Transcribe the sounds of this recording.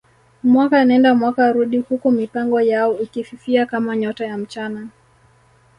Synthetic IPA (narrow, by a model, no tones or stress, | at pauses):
mwakaːnaɛndamwakaɾuɗihukumipaŋɡɔjaɔikififiakamaɲɔtajam̩t͡ʃana